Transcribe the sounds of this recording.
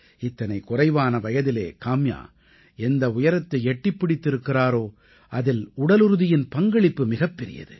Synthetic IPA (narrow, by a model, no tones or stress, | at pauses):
ɪt̪ːɐnɐɪkʊrɐɪʋaːnɐʋɐjɐðɪlḛːkaːmja̰ː | ɛnd̪ɐʊjɐɾɐt̪ːɐɪɛʈːɪpːɪɽɪt̪ːɪɾɯkːɪraːɾoː | ʔɐðɪlʊɽɐlɯɾɯðɪjɪnpɐŋɡɐɭɪpːɯmɪɣɐpːɛɾɪ̰jɐ̰ðɯ̰